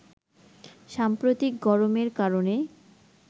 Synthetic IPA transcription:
ʃampɾot̪ik̚ɡɔɾomeɾkaɾone

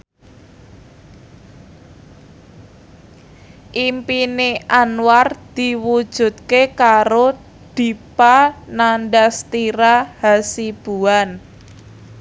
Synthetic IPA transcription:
ʔimpineʔanward̪̥i̤wud̥ʒ̥ṳt̪̚kekaɾo | d̪̥i̤pananɖast̪iɾahasib̥ṳan

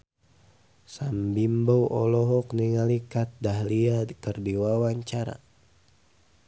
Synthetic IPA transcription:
sambimbowʔɔlɔɦɔkniŋalikat̪̚dahliakərdiwawaɲt͡ʃaɾa̰

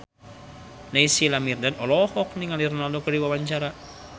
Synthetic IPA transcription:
naisilamirdadɔlɔhɔk̚niŋalirnaldokədiwawaɲt͡ʃaɾa

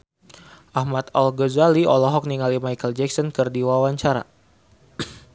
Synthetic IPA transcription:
ʔahmat̪alɡɔzaliɔlɔɦɔk̚niŋalimajkəld͡ʒɛk̚sɔnkɨrdiwawaɲt͡ʃaɾa̰

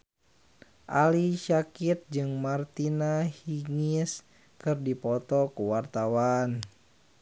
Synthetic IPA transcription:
ʔaliʃakit̪̚d͡ʒɨŋmart̪inahiŋis | kɨrdipɔt̪ɔkuwart̪awan

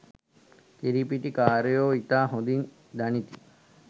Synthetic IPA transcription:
k̪iɾipiʈikaːɾejoːit̪aːɦõd̪in | d̪ɐnit̪i

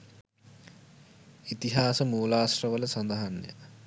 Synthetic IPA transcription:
it̪iɦaːsəmuːlaːsrəʋələsɐnd̪ɐɦanːjə̰

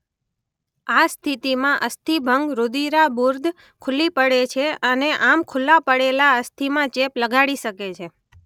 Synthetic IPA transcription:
ast̪ʰit̪imãʔəst̪ʰibʱəŋɡɾod̪iɾabuɾd̪ʱ | kʰʊlipəɽet͡ʃʰeəneʔamkʰʊlːapəɽelaəst̪ʰimãt͡ʃepləɡʱaɽiʃəket͡ʃʰe

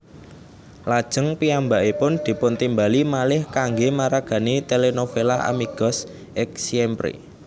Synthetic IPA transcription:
lad̥ʒ̥ə̤ŋpiambaʔipʊnd̪̥i̤pʊnt̪imbalimalɪhkaŋɡemaɾaɡ̥ä̤nit̪elenofelaa̰miɡ̥ɔ̤s | ʔɪk̚siɛmpɾḛ

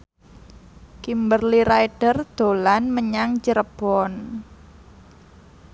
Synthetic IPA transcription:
kimbərliɾajɖ̥ərd̪̥o̤lanməɲaŋd͡ʒəɾəb̥ɔn

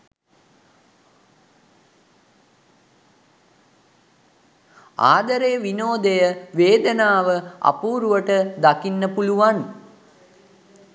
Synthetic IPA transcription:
a̰ːd̪əɾeːʋinoːd̪əjəʋeːd̪ənaːʋəa̰puːɾuʋəʈəd̪akinːəpuluʋan

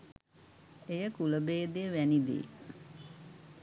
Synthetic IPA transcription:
ejəkuləbeːd̪ejəʋænid̪ḭ

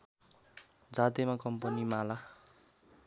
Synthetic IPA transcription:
d͡zat̪emakʌmpʌnimala

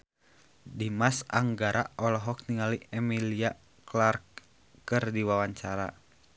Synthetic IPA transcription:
dimasa̰ŋɡaɾʔa̰ʔɔlɔɦɔk̚niŋaliɛmilia | klark | kɨrdiwawaɲt͡ʃaɾa̰

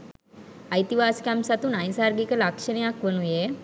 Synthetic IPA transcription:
ajt̪iʋaskamsat̪uːnajsaɾɡikəlakʂəɳijakʋəñuje

